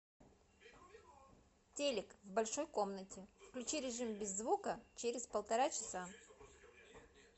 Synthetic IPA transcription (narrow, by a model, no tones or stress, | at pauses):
tʲelʲɪkvbɐlʲʂo̞jko̞mnətʲɪfklʲʉt͡ɕiɾʲɪʐɨmbʲɪzːvukət͡ɕeɾʲɪspəlˠt̪ɐɾat͡ɕɪ̥sa